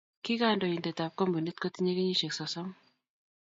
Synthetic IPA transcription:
ki˦ka˦˨ndɔ˨i˨nde˨ta˨p̚kɔ˦mbu˨ni˦tko˦ti˦ɲe˦ke˦ɲi˦ʃe˨ksɔ˨sɔ˦m

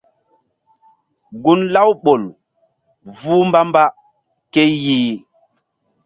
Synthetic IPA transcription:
ɡu˦nla˦wɓo˨l | vuː˦mba˦mba˦ | ke˦jjiː˦

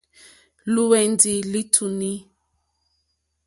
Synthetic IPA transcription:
lu˦wɛ˨ndi˨li˦tʰu˨ni˦

